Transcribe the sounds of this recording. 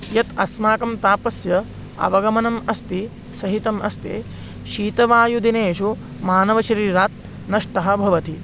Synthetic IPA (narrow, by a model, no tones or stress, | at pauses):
jɐt̪ɐsmaːkɐmt̪aːpɐsjɐ | ɐ̰ʋɐɡɐmɐnɐmɐst̪i | sɐɦit̪ɐmʔɐst̪ḛː | ʃiːt̪ɐʋaːjud̪ineːʃu | maːnɐʋɐʃɐɾiːɾaːt̪̚ | nɐʂʈɐɦɐ̆bʱɐʋɐt̪i